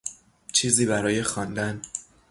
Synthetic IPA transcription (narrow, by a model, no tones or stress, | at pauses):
t͡ʃʰiːziːbæɾɒːjexɒːnd̪æn